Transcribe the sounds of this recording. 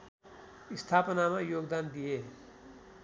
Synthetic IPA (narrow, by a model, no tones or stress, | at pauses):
ist̪ʰapənamajoɡd̪and̪ije